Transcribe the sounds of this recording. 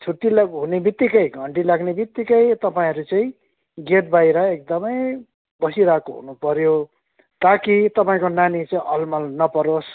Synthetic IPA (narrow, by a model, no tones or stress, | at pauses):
t͡sʰuʈ̪ːilɦunebit̪ːikʌjɡʱʌɳɖilaɡnebit̪ːikʌjt̪ʌpaĩɦʌɾut͡sʌĩ | ɡeʈ̚bajɾʌek̚d̪ʌmʌj | bʌsiɾakoɦṵnupʌɾjo | t̪akit̪ʌpaĩkonanit͡sʌĩʔʌlmʌlnʌpʌɾos